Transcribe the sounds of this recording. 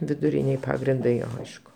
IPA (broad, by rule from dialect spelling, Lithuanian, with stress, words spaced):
ʋʲɪdʊˈrʲɪnʲeːj ˈpɑːɡrʲɪndɐɪ ˈɐɪʃkʊ